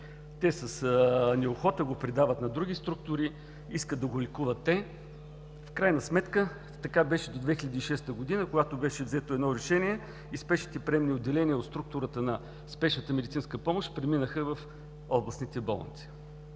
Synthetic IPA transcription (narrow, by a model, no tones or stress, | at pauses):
t̪ɛsəsnɛoxɔt̪əɡopɾid̪avət̪nɐd̪ɾuɡist̪ɾuk̚t̪ʊɾi | iskət̪ɐɡolikuvət̪ːɛ | fkɾajnəsmɛt̪kə | t̪ɐkabɛʃɛd̪od̪vɛxilʲəd̪iːʃɛst̪əɡod̪inəkoɡat̪obɛʃɛvzɛt̪oɛd̪nɔɾɛʃɛnʲiɛ | ispɛʃnit̪ɛpɾɛɛmniod̪ːɛlɛniəot̪st̪ɾuk̚t̪ʊɾət̪ənɐ | spɛʃnət̪əmɛd̪it̪sinskəpɔmoʃt̪pɾɛminəxəvɐf | ɔblˠəsnit̪ɛbo̰lˠə̰nt̪si̥